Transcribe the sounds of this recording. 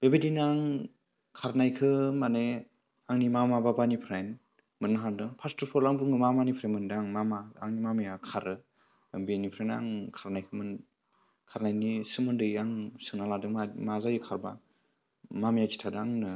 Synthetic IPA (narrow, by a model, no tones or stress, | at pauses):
b̥ebedinaŋ | kʰaɾnajkʰɯmane | aŋnimamababanipʰɾajn | mɯnnaɦaɾdɯŋpʰastʰɯɾpʰɔɾlaŋbɯŋɯmamanipʰɾamɯndaŋmamaa̰ŋnimamijakʰaɾɯ | benipʰɾajna̰ŋkʰaɾnajkʰɯmɯn | kʰaɾnajnisɯmɯndɯjaŋsɯŋnaladɯamazajɯkʰaɾba̰ | mamijakʰi̥tʰadaŋnɯ